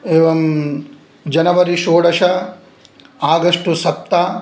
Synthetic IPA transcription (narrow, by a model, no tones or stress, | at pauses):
eːʋɐm | d͡ʒɐnɐʋɐɾiʃoːɽɐʃɐ | aːɡɐʂʈusɐp̚t̪a